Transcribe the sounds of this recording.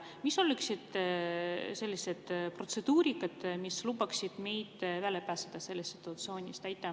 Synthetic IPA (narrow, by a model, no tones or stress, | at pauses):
miso̞lːyksid̪̥ | se̞lʲːise̞d̪̥pro̞t̪se̞d̪̥uːɾikːˑɑd̪̥mislubɑksid̪̥me̞jd̪̥vælepæːsed̪̥ɑse̞lːessi̥t̪ːˑuɑt̪sio̞ːnʲist̪æjt̪ːˑɑ